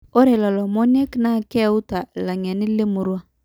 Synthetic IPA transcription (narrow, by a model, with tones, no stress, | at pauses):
o˦ɾe˨lɔ˨lɔ˨mɔ˦n˦ɛ˦kna˦˨kɛ˦u˦ta˨la˨ŋɛ˨nɪ˦lɪ˦mʊ˨ɾwa˦